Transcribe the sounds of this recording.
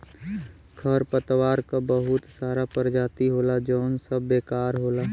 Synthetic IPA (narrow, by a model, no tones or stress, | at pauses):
kʰəɾpət̪ʋaːɾkabəɦʊt̪saːɾapəɾd͡ʒaːt̪iɦoːlad͡ʒɔːnsəbːeːkaːɾɦoːlaː